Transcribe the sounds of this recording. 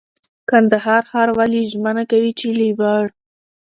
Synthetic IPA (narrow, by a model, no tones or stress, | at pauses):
kand̪aɦɑɾxɑɾwaliʒmənakawit͡ʃeliwaɽ